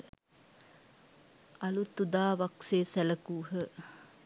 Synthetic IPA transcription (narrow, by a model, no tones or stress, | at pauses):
alut̪ud̪aːʋakseːsæləkuːɦə